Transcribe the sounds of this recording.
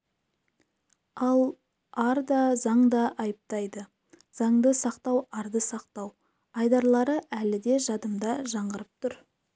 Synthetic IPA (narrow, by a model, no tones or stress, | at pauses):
ɑlˠ | ɑɾd̪ɑzɑɴd̪ɑʔɑjəp̚t̪ɑjd̪ə | z̥ɑɴd̪əsɑqt̪ɑwɑɾd̪əsɑqt̪ɑw | ɑjd̪ɑɾlˠɑɾəʔælɪd̪e̞ʒɑd̪əmd̪ɑʒɑɴɢəɾəp̚t̪ʰʊɾ